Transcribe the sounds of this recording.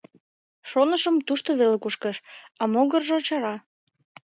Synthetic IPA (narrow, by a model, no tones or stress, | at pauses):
ʃonəʃəmt̪uʃt̪oβelekuʃkəʃɑmoɣərʒet͡ɕɑɾɑ